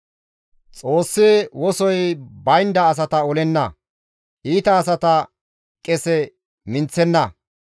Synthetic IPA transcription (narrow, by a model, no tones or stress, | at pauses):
t͡sʼo̞ːsːeːwɔsɔjbɐjnd̪ɐːs̬ɐt̪ɐɔlɛnːɐ | ʔiːt̪ɐːs̬ɐt̪ɐ | kʼɛsɛ | mɪnt͡sːɛnːɐ